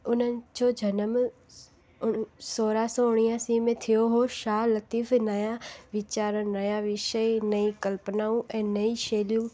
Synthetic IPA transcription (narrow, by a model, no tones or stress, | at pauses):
ʊnənɪ̆d͡ʑoːd͡ʑʱɐnəm | soːɾasõʊɽ̃ijãsimẽt̪ʰijoɦoʃaːɦlɐt̪iːfnɐjãʋɪt͡ɕaːɾənɐjãʋɪʃəinɐikɐlpnaːũʔɛ̃ːnɐiʃeːlijũ